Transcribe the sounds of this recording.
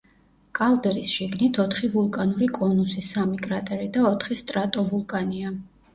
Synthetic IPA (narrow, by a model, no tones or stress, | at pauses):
kʼalˠd̪ɛɾisʃiɡnit̪ʰɔt̪ʰχivulˠkʼanuɾikʼɔnusisamikʼɾat̪ʼɛɾid̪aɔt̪ʰχist̪ʼɾat̪ʼɔvulˠkʼania